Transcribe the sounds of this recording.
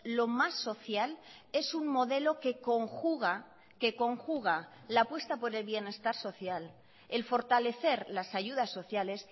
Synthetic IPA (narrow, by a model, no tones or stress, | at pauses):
lo̞masːo̞θjale̞suŋmo̞ðe̞lo̞ke̞ko̞ŋxuɣa | ke̞ko̞ŋxuɣ̞a | lapwe̞st̪apo̞ɾe̞lβje̞ne̞st̪aɾso̞θjal | e̞lfo̞ɾt̪ale̞θe̞ɾlasaʝuðasːo̞θjale̞s